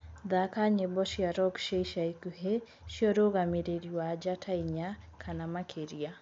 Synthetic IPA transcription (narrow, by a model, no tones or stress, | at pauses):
ðakaɲebɔʃiaɾɔkʃeiʃaikuhe | ʃiɔɾoɣamiɾeɾiwad͡ʒatʰaiɲakʰanamakʰeɾia